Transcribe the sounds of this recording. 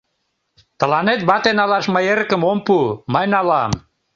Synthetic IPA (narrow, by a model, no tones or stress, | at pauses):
t̪əlɑnet̪̚bɑt̪enɑlɑʃməjeɾəkəmompuməjnɑlɑm